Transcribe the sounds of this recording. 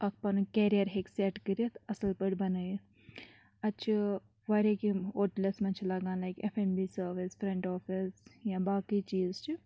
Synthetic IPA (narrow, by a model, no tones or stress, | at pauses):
ɐk̚pɐnukɛɾijɐɾɦeksɛʈkəɾet̪ɐsəlpəɽbɐnəj | ɐt͡ʃʰi | ʋaɾʲekioʈlɐsmɐnt͡ʃʰilɐɡãːnlajkefembiːsəɾʋisfɾẽɳʈɔːfisjãbaːkit͡ʃiːzt͡ʃi